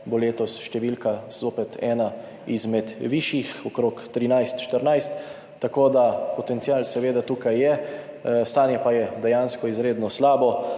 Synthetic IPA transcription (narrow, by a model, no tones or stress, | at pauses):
boleːt̪ɔsʃt̪ɛʋiːlkaz̥oːpɛt̪ʰɛːna | izmɛd̪ʋiːʃixɔkɾoːkt̪ɾinajst̪ʃt̪əɾnajst̪ː | akoːd̪apɔt̪ɛnt̪siaːlsɛʋeːd̪at̪uːkajːɛ | st̪aːnjɛpajɛd̪ɛjaːnskɔizɾeːd̪nɔslaːbɔ